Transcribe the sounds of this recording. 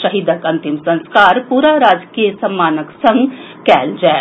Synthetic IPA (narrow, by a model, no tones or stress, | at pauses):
ʃɐɦid̪ʱəkɐ̃nt̪imsɐ̃nskaːɾpuːɾaɾaːd͡ʒkiːjəsɐ̃mːaːnəksɐ̃ŋɡ | kɛːld͡ʒɛː